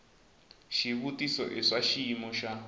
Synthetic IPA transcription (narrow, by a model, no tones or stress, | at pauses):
ʃiβutisɔ̰ʔɛʂaʃimɔʃa